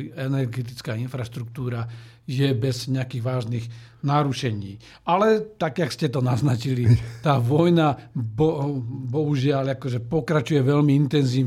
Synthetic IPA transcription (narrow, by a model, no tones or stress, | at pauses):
ɛnɛɾɡɛt̪̬it͡skaːinfɾaʃt̪ɾuk̚t̪uːɾa | jɛbɛzɲɛakiːɣʋaːʒniɣ | naɾuʃɛɲiː | alɛt̪aɡjakscɛt̪ɔnaznat͡ʃilit̪aːʋɔjnabɔbɔɦuʒɪalakɔʒɛpɔkɾat͡ʃujɛʋɛlmiint̪ɛnziːʋ